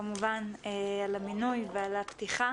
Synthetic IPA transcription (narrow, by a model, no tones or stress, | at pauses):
amuvanealaminujvealapt̪iχa